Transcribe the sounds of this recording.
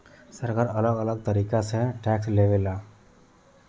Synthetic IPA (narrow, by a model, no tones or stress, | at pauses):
səɾkaːɾələɡələɡ̚t̪əɾiːkaseʈɛːksleːʋeːlaː